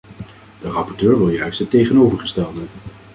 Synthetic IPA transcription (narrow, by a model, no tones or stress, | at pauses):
d̥ərɑpɔɹtøːɹʋɪlˠjœɥstətejχənowvəɹχəstɛlˠdən